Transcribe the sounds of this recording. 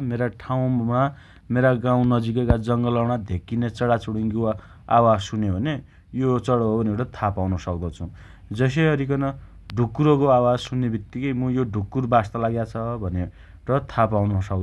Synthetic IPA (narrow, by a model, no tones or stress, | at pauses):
meɾaʈʰaw̃ma | meɾaɡãw̃nʌd͡zikekad͡zʌŋɡʌlʌwɽ̃ad̪ʱekːinet͡sʌɽat͡suɽiŋɡo | a̰wad͡zsunebʱʌne | jot͡sʌɽʌɦobʌneɾʌt̪ʰapawnʌsʌk̚d̪ʌt͡sʰũ | d͡zʌs̬eʌɾikʌnʌ | ɖʱukːuɾʌkoawad͡zsunːebik̚t̪ikʌjmʌjoɖʱukːurbast̪alaɡjat͡sʰʌbʱʌne | rʌt̪ʰapawnʌsʌk